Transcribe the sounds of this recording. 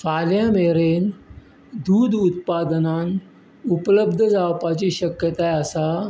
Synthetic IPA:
faljãmeɾen | d̪uːd̪ut̪pad̪ənan | upləbd̪ʱəd͡zaʋpat͡ɕiːɕəkjət̪ajəsa

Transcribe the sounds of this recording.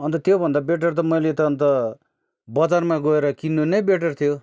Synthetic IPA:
ʌnt̪ʌt̪jobʱʌnd̪abeʈ̬ʌrt̪̬ʌmʌjlet̪ʌːnt̪ʌ | bʌd͡zarmaɡʌeɾʌkinːonʌjbeʈ̬ʌrt̪ʰijo

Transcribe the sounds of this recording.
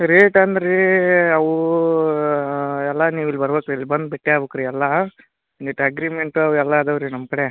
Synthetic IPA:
ɾeːʈand̪ɐɾeɐʋu | ɛlːɐniːʋilbɐɾbeːkɾilːbɐnd̪̚beʈːeaːbukɾiɛlːɐ | niʈːɐɡɾiːmeɳʈuɐʋɛlːaːd̪ɐʋɾinɐmːɐkɐɽe

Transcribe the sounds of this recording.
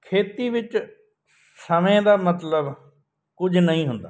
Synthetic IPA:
kʰeːt̪iːʋɪt͡ʃ | səmẽːd̪aːmət̪ləb | kʊd͡ʒnəĩːɦʊ̃nd̪a̰ː

